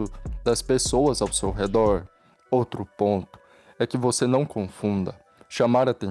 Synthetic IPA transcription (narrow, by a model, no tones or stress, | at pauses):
ʊd̪ɐspesowɐzawsewɦed̪ɔɾ | owt̪ɾʊpõnt̪ʊ̥ | ɛkɪvosenɐ̃w̃kõfũnd̪ɐ | ʃamaɾat̪ẽ